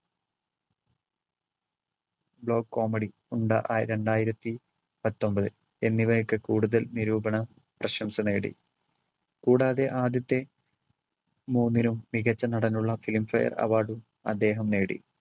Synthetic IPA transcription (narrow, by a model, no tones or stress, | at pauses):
bɭo̞ːɡ̚ko̞ːmɐɽi | uɳɖɐʔa̰ɾe̞ɳɖaːjiɾɐt̪ːi | pɐt̪ːo̞mbɐðɨ | e̞nːiʋɐjɐkːɨkuːɽuðɐlniɾuːbɐɳɐ | prɐɕɐmsɐneːɽḭ | kuːɽaːðe̞ʔaːd̪jɐt̪ːe̞ | muːnːinumːiɣɐt͡ɕːɐnɐɽɐnːuɭːɐfilmfɐ̰jɐ̰rɐ̰ʋaːɽu | ɐ̰d̪ːe̞ːɦɐmne̞ːɽḭ